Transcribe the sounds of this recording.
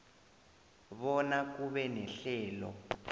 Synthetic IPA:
βɔnak̬uβɛnɛɬɛːlɔ̰

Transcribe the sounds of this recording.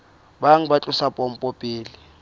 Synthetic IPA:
baŋ̩bat͡ɬʼʊsapʼɔm̩pʼɔpʼiːli

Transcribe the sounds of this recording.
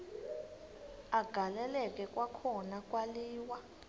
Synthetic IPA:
aɡ̥ʱalɛlɛk̬ʼɛkʼwakʰɔnakʼwaliːwa

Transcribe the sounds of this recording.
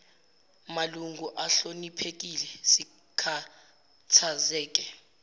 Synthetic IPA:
maluŋɡʱuʔaɬonipʰek̬ilɛsi | kʰa | tʰazɛːk̬ʼɛ

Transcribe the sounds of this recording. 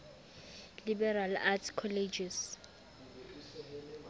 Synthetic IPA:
libɛɾalatʰkʰɔlɛd͡ʒis

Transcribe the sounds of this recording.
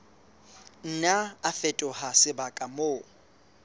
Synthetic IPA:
n̩naːfɛtʼʊhasɪbakʼamoː

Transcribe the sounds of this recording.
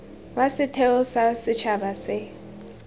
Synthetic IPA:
wasɪtʰɛʊsasɪt͡ʃʰabasɪ

